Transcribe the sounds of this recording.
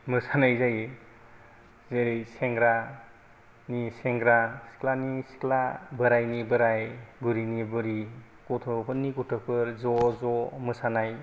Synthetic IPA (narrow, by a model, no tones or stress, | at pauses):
mɯsanajzaj | zeɾejseŋɡɾa | niseŋɡɾasi̥klanisi̥klabɯɾajnibɯɾajbɯɾinibɯɾi | kɔtʰɔpʰɯnːikɔtʰɔk̚pʰɯɾzɔzɔmɯsanaj